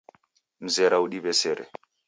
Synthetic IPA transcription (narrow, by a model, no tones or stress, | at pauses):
m̩zɛɾauɗiβɛsɛɾɛ̰